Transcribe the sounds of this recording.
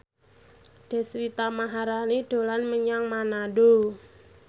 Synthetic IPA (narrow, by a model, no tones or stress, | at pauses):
d̥ɛ̤swit̪amaɦaɾaniɖ̥o̤lanməɲaŋmanaɖo